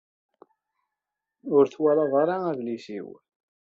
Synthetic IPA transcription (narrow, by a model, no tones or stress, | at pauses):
ʊɾθwælɑðˤɑɾaævlisḭw